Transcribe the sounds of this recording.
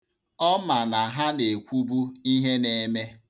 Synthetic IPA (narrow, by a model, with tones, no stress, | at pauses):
ɔ˦ma˨na˨ɦa˦ne˨kʷu˦bu˦i˦ɦe˦ne˨˦me˦